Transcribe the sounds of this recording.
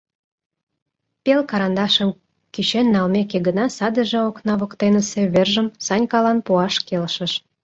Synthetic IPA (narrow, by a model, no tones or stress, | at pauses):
pelkɑɾɑnd̪ɑʃəm | kyt͡ɕenːɑlmekeɡənɑsɑd̪ə̆ʒĕoknɑβokt̪enə̆sĕβerʒəmsɑnʲkɑlɑnpuɑʃkelʃə̆ʃ